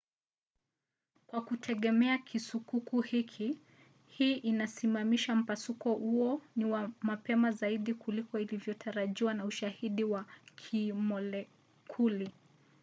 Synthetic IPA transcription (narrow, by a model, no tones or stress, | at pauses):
kwakutʰɛɠɛmɛakʰisukukuhikʰi | hiːʔinasimamiʃam̩pasukɔhuɔniwamapɛmazaiɗikulikɔilivjɔtʰaɾaʄiwanauʃahiɗiwakʰimɔlɛ | kʰuli